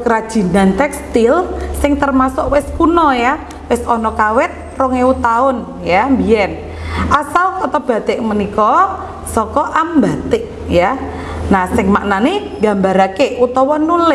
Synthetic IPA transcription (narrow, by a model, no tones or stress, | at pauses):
kəɾad̥ʒ̥i̤nant̪ɛkst̪ilsɪŋt̪ərmasʊʔwɪskunɔja | wɪsɔnɔkawɪt̪̚rɔŋeut̪aʊn | jambiɛn | ʔasalkɔt̪ɔb̥a̤t̪ɪʔmənikɔ | sɔkɔʔambat̪ɪʔ | ja | nasɪŋmaʔnane | ɡa̤mbaɾakeut̪ɔwɔnulɪ